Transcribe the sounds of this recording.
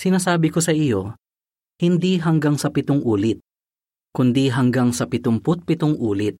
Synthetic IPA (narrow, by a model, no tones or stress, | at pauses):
sɪnaːsaːbɪkosɐʔijo̞ | hɪnd̪iɦɐŋɡaŋsɐpɪt̪oŋʔuːlɪt̪̚ | kʊnd̪iɦɐŋɡaŋsɐpɪt̪ompʊt̪̚pɪt̪oŋʔuːlɪt̪̚